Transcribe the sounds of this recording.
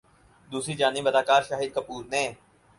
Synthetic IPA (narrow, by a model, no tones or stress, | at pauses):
d̪uːsɾid͡ʒaːnɪbɐd̪aːkaːɾʃaːɦid̪̚kɐpuːɾnẽː